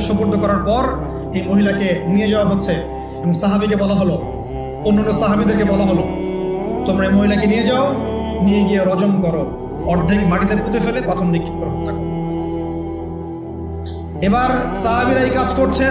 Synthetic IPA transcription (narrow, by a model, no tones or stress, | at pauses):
ʃɔmboɾd̪ʱokɔɾaɾpɔɾ | ejmoɦilakenied͡ʑaoaɦotːɕʰe | eboŋsaɦabik̬ebɔlaɦolo | onːanːosaɦabid̪eɾkebɔlaɦolo | t̪omɾaejmoɦilakenijed͡ʑao | nijeɡijeɾɔd͡ʑonkɔɾo | ɔɾd̪ʱikmaʈid̪eɾput̪ʰefelepɾat̪ʰomɾikʰːi̥t̪̚kɔɾɦot̪ʰak̚o | ebaɾsaɦabiɾaekad͡ʑkoɾt͡ɕʰe